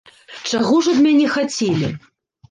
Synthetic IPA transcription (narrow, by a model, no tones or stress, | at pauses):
t͡ʂaɣɔʐɐd̪mʲanʲɛxat͡sʲelʲḭ